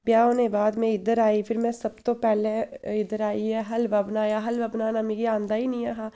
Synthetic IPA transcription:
bjaːonẽːbaːd̪mɛ̃ɪd̪əɾaːiːpʰɪɾmɛ̃ːsəbt̪oːpɛːleɪd̪əɾaːiɦɛːɦɐlʋabnaːjaːɦəlʋəːbnaːnaːmeːɡiãːnd̪aːiːnĩːaːɦaː

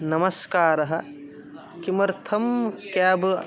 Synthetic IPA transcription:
nɐmɐskaːɾɐɦɐ̆ | kimɐɾt̪ʰɐmkjaːbɨ

